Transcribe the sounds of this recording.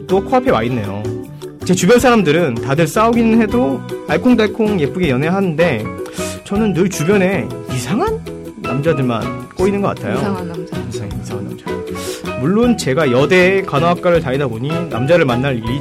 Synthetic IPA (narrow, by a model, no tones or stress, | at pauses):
t͈okʰoapʰe̞wa̰inːe̞̰jo̰ | t͡ɕe̞t͡ɕubjʌnsʰaɾamdɯɾɯntadɯɭs͈auɡinɯnhe̞doaɭkʰoŋdaɭkʰoŋje̞p͈uɡejʌnɦeɦanɯnde̞ | t͡ɕʌnɯnːɯɭt͡ɕubjʌne̞isʰaŋɦanː | amd͡ʑadɯɭma̰nk͈oinɯnɡʌk͈atʰajo | eisʰaŋanːa̰md͡ʑamuɭːont͡ɕe̞ɡajʌde̞kanaak͈aɾɯɭtaidaboɲina̰md͡ʑaɾɯɭmanːaɾii